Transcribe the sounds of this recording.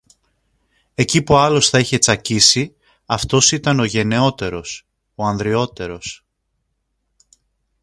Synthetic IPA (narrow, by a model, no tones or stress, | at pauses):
e̞cipuɐlo̞sθɐiçe̞t͡sɐcisi | ɐft̪o̞sit̪ɐno̞ʝe̞ne̞o̞t̪e̞ɾo̞s | o̞ɐnðɾio̞t̪e̞ɾo̞s